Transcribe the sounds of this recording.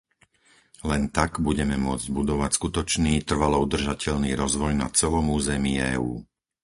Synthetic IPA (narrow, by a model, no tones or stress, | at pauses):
lɛnt̪aɡbuɟɛmɛmʊɔd͡zɟbud̪ɔʋacskut̪ɔt͡ʃniːt̪r̩ʋalɔud̪r̩ʒacɛʎniːɾɔzʋɔjna̰t͡sɛlɔmuːzɛmiɛ̰ːuː